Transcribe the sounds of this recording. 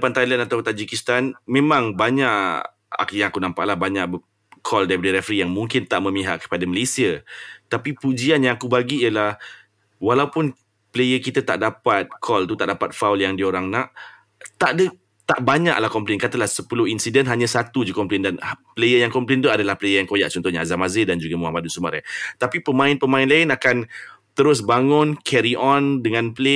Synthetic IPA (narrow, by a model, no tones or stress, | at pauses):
pant̪ajlɛnat̪awt̪ad͡ʒikist̪anmẽmãŋbaɲaʔ | a̰jaŋakunãmpa̰ʔlahbaɲaʔ | kʰɔldajipədəɾefəɾijaŋmũŋkɪnt̪aʔmə̃mĩɦa̰ʔkə̥padaməlesiət̪apipud͡ʒianjãŋakubaɡiːjəlah | walaupʊn | pəlejəkit̪at̪a̰ʔdapat̪̚kʰɔlt̪ut̪aʔdapat̪̚fawljaŋdioɾaŋnãʔ | t̪aʔdə | t̪aʔbaɲa̰ʔlahkɔmplenkat̪alahsəpulʊɦinsidənɦaɲasat̪ud͡ʒukɔmplendanpəlejəjaŋkɔmplent̪uadalahpəlejəjaŋkojaʔt͡ʃɔnt̪ɔhɲaazamazɪdand͡ʒuɡamuamadusumaɾa̰t̪apipəmãɪnpəmãɪnlaɪnakant̪əɾʊs̬baŋʊ̃nkʰɛɾiʔɔndəŋãnpəle